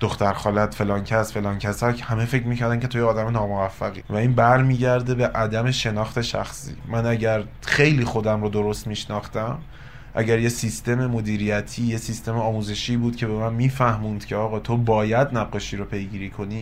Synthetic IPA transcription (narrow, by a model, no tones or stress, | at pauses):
d̪̥oxt̪æɾxɒːlæd̪fe̞lɒːncʰæsfe̞lɒːncʰæsæɾcʰhæme̞fe̞cʰɾmiːcʰæɾd̪æmcʰʲe̞t̪ʰojeɒːd̪æmenɒːmovæfːæɣḭːvæiːnbæɾmiːɟæɾd̪e̞be̞ʔæd̪æme̞ʃe̞nɒːxt̪ʰe̞ʃæ̰xsḭːmænæɟæɾ | xe̞jliːxo̞d̪æmɾod̪o̞ɾo̞st̪miːʃnɒːxt̪æm | ʔæ̰ɟæɾje̞sist̪e̞me̞mo̞d̪iːɾijæt̪ʰiːjesist̪e̞meɒːmuːze̞ʃiːbuːd̪̥̚cʰe̞be̞mænmiːfæhmuːnd̪̥cʰe̞ɒːɣɒːt̪ʰo̞bɒːjæd̪næb̚ɢe̞ʃiːɾopʰe̞jɡiːɾiːkʰo̞niː